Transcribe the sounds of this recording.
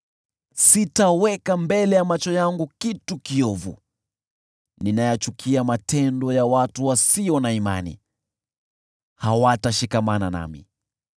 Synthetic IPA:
sitawɛkambɛlɛjamat͡ʃɔjaŋɡukitukiɔvṵ | ninajat͡ʃukʰiamatɛndɔjawatuwasiɔnaima̰nḭ | hawataʃikamanana̰mḭ

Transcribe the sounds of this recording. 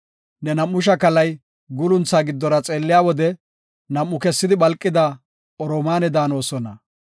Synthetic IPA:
nɛnɐmːʊʃ̬ɐkɐlɐj | ɡʊlʊnt͡saːɡɪd̪ːɔɾɐt͡sʼe̞ːlːɪjaːwɔd̪ɛ | nɐmːʊkɛsːɪd̪ɪbɐlkʼːɪd̪a | ʔɔɾɔmaːnɛd̪aːno̞ːsɔnɐ

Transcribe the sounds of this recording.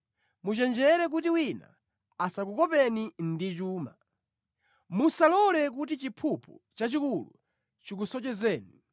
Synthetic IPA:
mut͡ʃɛnd͡ʒɛɾɛk̬utiwina̰ | asakukɔpɛnindit͡ʃuːma | musalɔlɛk̬utit͡ʃipʰupʰut͡ʃat͡ʃikulu | t͡ʃik̬usɔt͡ʃɛzɛːni

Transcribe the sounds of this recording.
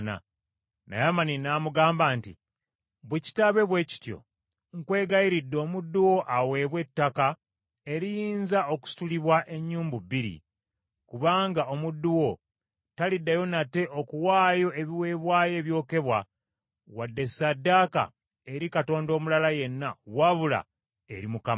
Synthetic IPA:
na̰ | na̰jamaninaːmuɡaːmbaːntḭ | βweci̥taβe̞βwe̞ːci̥tjo̞̰ | ŋkwe̞ːɡajiɾidːo̞ːmudːuwo̞ʔawe̞βwe̞tːaka | e̞ɾijiːnzao̞ku̥si̥tuliβwaʔe̞ɲːuːmbubiɾḭ | kuβaːŋɡao̞mudːuwo̞ | talidːajo̞nate̞ʔo̞kuwaːjo̞e̞βiwe̞ːβwaːje̞ːβjo̞ːke̞βwa | wadːe̞sadːaːka̰ | e̞ɾikato̞ːndo̞ːmulalaje̞nːawaβula̰ | e̞̰ɾimukam

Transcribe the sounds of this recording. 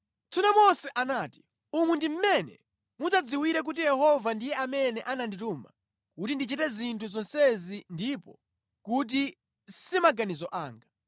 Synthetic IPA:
t͡sʰunamɔsɛʔanaːti̥ | umwɛndim̩mɛnɛ̰ | mut͡sad͡ziwiɾɛk̬ut̬ijɛhɔvandijɛʔamɛnɛʔanandituma̰ | kutindit͡ʃitɛzintʰuzɔnsɛzindipɔ | kut̬i | simaɡanizɔʔaːŋɡa

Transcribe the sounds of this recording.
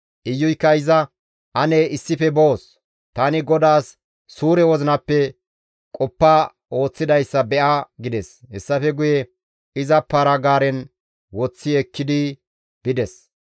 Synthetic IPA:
ʔɪjːʊjkːɐɪzɐ | ʔɐnɛɪsːɪfɛboːs | t̪aːnɪɡɔd̪aːsː | uːɾɛwɔzɪnɐpːɛ | kʼɔpːa | o̞ːt͡sːɪd̪ɐjsːɐbɛʔaɡɪd̪ɛshɛsːɐfɛɡʊjɛ | ɪzɐpːaɾɐɡaːɾɛn | wɔt͡sːɪɛkːɪd̪ɪ | b̥ɪd̪ɛs

